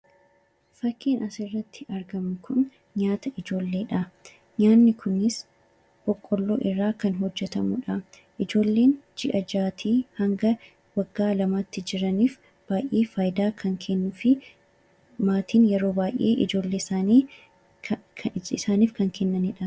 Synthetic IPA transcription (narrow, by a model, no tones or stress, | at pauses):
fɐkːiːnʔɐsɪrːɐt̪ʰːɪ̥ɐɾɡɐmɪkʰʊn | ɲaːt̪ɐʔɪd͡ʒo̞ːlːe̞ːᶑɐ | ɲaːnːɪkʊnːɪs | b̥ɔkʼːɔlːoːʔɪrːaːkɐnɦɔd͡ʒːɛt̪ɐmʊᶑɐ | ʔɪd͡ʒo̞ːlːe̞ːnd͡ʒɪʔɐd͡ʒaːt̪ʰiːhɐŋɡɐ | wɐɡːaːlɐmat̪ːɪd͡ʒɪɾɐniːf | b̥aːjʔeːfɐːjd̪aːkʰɐŋkʰenːʊfɪ | maːt̪iːnjɛɾo̞ːbaːjʔḛːʔɪ̰d͡ʒo̞ːlːe̞ːsaːniː | ɪsaːniːfkɐŋkʰɛnːɐnɪᶑɐ